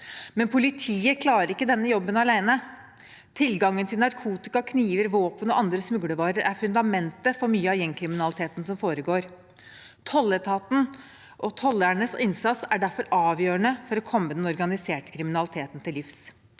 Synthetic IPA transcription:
mɛnpʰʊlɪt̪ʰiːəkʰlɑːɾəɾɪkːəd̪ɛnːəjɔbːənɑlæɪnə | t̪ʰɪlɡɑŋːənt̪ʰɪlnɑɾkʰuːt̪ɪkɑkʰniːʋəɾʋoːpənɔʔɑnd̪ɾəsmʉɡɽəʋɑːɾəɾʔæɾfʉnd̪ɑmɛnt̪əfɔɾmyːəɑʋjɛŋːkʰɾɪmɪnɑlɪt̪ʰeːt̪n̩sɔmfoːɾəɡoːɾ | t̪ʰɔlːəʈʰɑːt̪n | ʔɔt̪ʰɔlːæɳəsɪnsɑt̪sæɖæɾfɔɾɑːʋjøːəɳəfɔɾɔkʰɔmːəd̪ɛnɔɾɡɑnɪseːʈə̥kʰɾɪmɪnɑlɪt̪ʰeːt̪nt̪ʰɪlɪfs

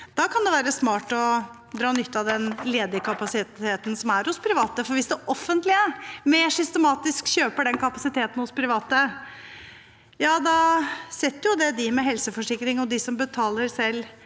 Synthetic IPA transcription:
d̪̥ɑkɑnd̪ɛʋæːɾəsmɑːʈɔ | d̪ɾɑːnʏt̪ːɑd̪ɛnleːd̪əkʰɑpɑsɪeːt̪n̩sɔmæɾhʊspʰɾɪʋɑːt̪əfɔɾʋɪsd̪ɛʔɔfːənt̪lɪəmeːʂʏst̪əmɑːt̪ɪskɕøːpəɖɛnkʰɑpɑsɪt̪ʰeːt̪n̩hʊspʰɾɪʋɑːt̪ə | jɑːd̪ɑsɛt̪ːəɾjʊd̪ɛd̪ɪmɛɦɛlsəfɔʂɪkːɾɪŋɔd̪ɪsɔmbət̪ʰɑːləɾsɛlː

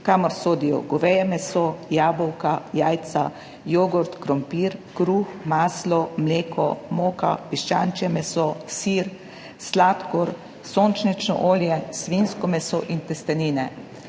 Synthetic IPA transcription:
kaːmɔɾsoːd̪ijɔ̰ɡɔʋɛjɛmɛsojaːbɔwkajaːjt̪sa̰ | joːɡɔɾt̪kɾɔmpiːɾkɾuːxmaːslɔmleːkɔmoːka̰piʃt͡ʃant͡ʃjɛmɛsosiɾ | slaːt̪kɔɾ | soːnt͡ʃnit͡ʃnɔ̰ʔoːljɛsʋinskɔmɛsoʔint̪ɛst̪ɛniːnɛ

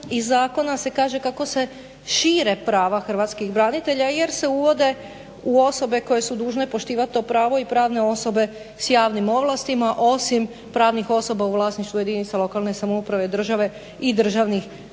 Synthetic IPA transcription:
izːaːko̞nase̞kaːʒe̞kako̞se̞ | ʃiːɾe̞pɾaːʋaxr̩ʋaːt̪skibɾanit̪e̞ʎaje̞ɾse̞uʋo̞d̪e̞ | uo̞so̞be̞ko̞je̞sud̪uːʒne̞po̞ʃt̪iːʋat̪̚t̪ːo̞pɾaːʋo̞ipɾaːʋne̞o̞so̞be̞ | sjaːʋnimo̞ʋlˠast̪imaʔo̞sim | pɾaːʋnixo̞so̞bauʋlˠaːsniʃt̪ʋuje̞d̪init̪salˠo̞kalne̞samoupɾaʋe̞d̪r̩ʒaʋe̞ | id̪r̩ʒaʋnix

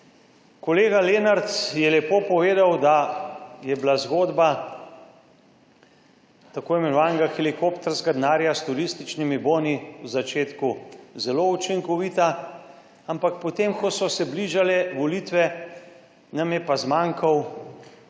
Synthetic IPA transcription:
kɔleːɡaleːnaɾt̪sjɛlɛpoːpɔʋeːd̪awd̪ajɛblazɡoːd̪ba | t̪akoːɛmɛnɔʋaːnɡaxɛlikoːpt̪ɛɾskad̪naːɾjast̪uɾist̪it͡ʃnimiboːniwzat͡ʃeːt̪kuzɛlout͡ʃiŋkɔʋiːt̪a | ampakpɔt̪emkɔsɔsɛbliʒalɛʋɔlit̪ʋɛ | namjɛpazmaːŋkʰaw

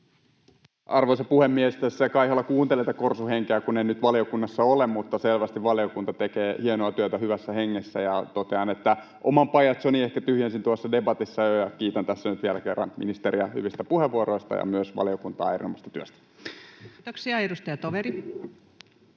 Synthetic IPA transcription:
ʔɑrʋoisɑpuhemːiest̪æsːæɑkɑihelːɑkuːnt̪elet̪ːækorsuheŋkeækuneinyt̪ʋɑliokunːɑsːɑolemmut̪ːɑselʋæst̪iʋʋɑliokunt̪ɑt̪ekeːhienoɑt̪yøt̪æhyʋæsːæheŋːesːæ̰jɑt̪ot̪eɑnet̪ːæ | ʔo̰mɑmpɑjɑt̪soniehkæt̪yhjænsint̪uɑsːɑdebɑt̪isːɑjojɑkiːt̪ænt̪æsːænyt̪ʋielækerːɑ̰nmḭnist̪eɾiæhy̰ʋist̪æpuheʋːuoɾo̞ist̪ɑ̰jɑ̰myøsʋɑ̰liokunt̪ɑ̰ːɑerinomɑst̪ɑ̥t̪yøst̪æ̥ | t̪oksiɑedust̪ɑjɑt̪oʋeɾi

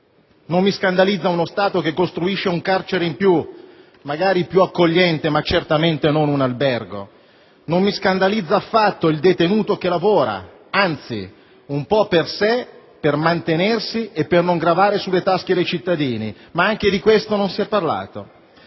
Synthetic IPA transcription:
nomːiskand̪alid̪zːaunost̪aːt̪ok̟ekːost̪ɾuiʃːeuŋkart͡ʃeɾeimpju | maɡaːɾipjuakːoʎːɛnt̪emat͡ʃert̪ament̪enonunalbɛrɡo̰ | nomːiskand̪alid̪zaːfːat̪ːoild̪et̪enuːt̪okelavoːɾa̰ | ant̪sḭ | umpɔpːersepermant̪enersiepːernoŋɡɾavaːɾesulːet̪ask̟ed̪ejt͡ʃit̪ːad̪iːni | maaŋk̟ed̪ikwest̪ononsiɛpːarla̰ːt̪o

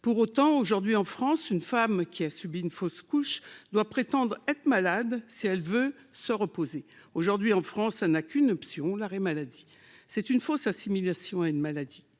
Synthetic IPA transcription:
puʁot̪ɑ̃oʒuʁd̪ɥiɑ̃fχɑ̃synfamkʲiasybiynfoskuʃd̪wapχet̪ɑ̃d̪ʁɛt̪χmalad̪siɛlvø | səʁəpozeoʒuʁd̪ɥiɑ̃fχɑ̃sɛlnakʰʲynɔpsjɔ̃laʁemalad̪i | sɛt̪ynfosasimilasjɔ̃aynmalad̪i

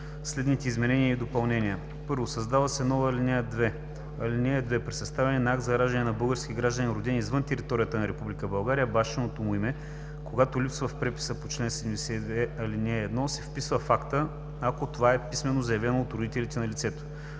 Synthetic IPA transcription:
slɛd̪nit̪ɛizmɛnɛniəid̪opɐlˠnɛnijə | pɤɾvosɐzd̪avəsɛnɔvəːlʲinɛjəd̪vɛ | ɐlinʲɛəd̪vɛpɾɛsɐst̪avʲɛnɛnɐakt̪zɐɾaʒd̪ɐnʲɛnɐbɤlˠɡəɾsk̟ʲiɡɾaʒd̪əninɾʊd̪inʲizvɤnt̪ɛɾit̪ɔɾʲijət̪ənɐɾɛpublʲikəbɐlˠɡaɾijəbaʃɛnot̪omʊimɛ | koɡat̪olipsvəfpɾɛpi̥səpot͡ʃlɛnsɛd̪ɛmd̪ɛsɛɛɐlinʲɛɛd̪nɔsɛfpisvəfakt̪ə | akot̪ovaɛpismɛnozɐjɐvlɛnoːt̪ɾʊd̪it̪ɛlʲit̪ɛnɐlʲit̪sɛt̪o̥

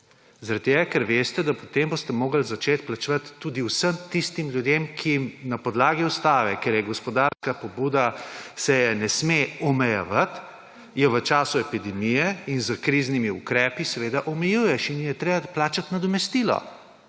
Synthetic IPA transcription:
zaɾat̪̚t̪ːeːɡakɛɾʋeːst̪ɛd̪apɔt̪eːmbost̪ɛmoːɡəlzat͡ʃeːt̪plat͡ʃʋat̪ːuːd̪iwsəmt̪ist̪imljud̪eːmkʰijimnapɔd̪laːɡiust̪aːʋɛkɛɾjɛɡɔspɔd̪aɾskapɔbuːd̪asɛjɛnɛsmeɔmɛjɛ̰ʋat̪ | jɛʋət͡ʃaːsuɛpid̪ɛmijɛinzəkɾiːznimiukɾɛːpisɛʋeːd̪aʔɔmɛjuːjɛʃinjɛt̪ɾeːbaplaːt͡ʃat̪nad̪ɔmɛst̪iːlɔ̰

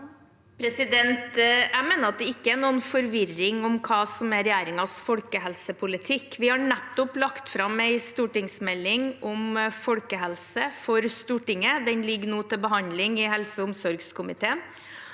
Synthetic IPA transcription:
pʰɾɛsɪd̪ɛnt̪æmeːnəɾɑt̪̚d̪ɛɪkːəæɳuːənfɔɾʋɪrɪŋɔmkʰɑːsɔmæɾɛjæːɾɪŋɑsfɔlkəɦɛlsəpʰʊlɪt̪ʰɪkːʋɪhɑɳɛt̪ːʊplɑkt̪fɾɑmæɪst̪uːʈɪŋsmɛlːɪŋɔmfɔlkəɦɛlsəfɔɾst̪uːʈɪŋːəd̪ɛnlɪɡnuːt̪ʰɪlbəɦɑnd̪lɪŋɪɦɛlsəʊmsɔɾɡskʰʊmɪt̪ʰeːən

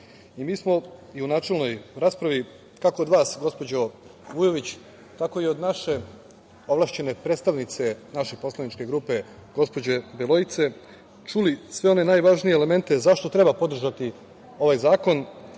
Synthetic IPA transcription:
imiːsmo̞iunaːt͡ʃe̞lˠno̞jɾaːspɾaʋi | kako̞ːd̪ʋaːsɡo̞spo̞d͡ʑo̞ | ʋujo̞ʋit͡ɕ | t̪ako̞io̞d̪naʃe̞ | o̞ʋlˠaːʃt͡ɕe̞ne̞pɾet̪st̪aʋnit̪se̞naʃepo̞slˠanit͡ʃke̞ɡɾuːpe̞ | ɡo̞spo̞d͡ʑe̞belˠo̞jit̪se̞ | t͡ʃulisʋe̞o̞ne̞naːjʋaːʒnijeːle̞me̞nt̪e̞zaʃt̪ot̪ɾe̞bapo̞d̪r̩ʒat̪i | o̞ʋajzaːko̞n

